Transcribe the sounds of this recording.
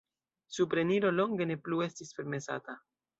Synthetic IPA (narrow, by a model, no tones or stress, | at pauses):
supɾe̞niɾo̞lo̞ŋɡe̞ne̞plue̞stispe̞ɾme̞sa̰ta